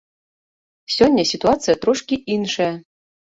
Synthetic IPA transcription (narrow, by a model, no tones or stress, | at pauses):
sʲonʲːɘ̆sʲit̪uat̪t͡sɨjat̪ɾoʂkʲiʔinʂe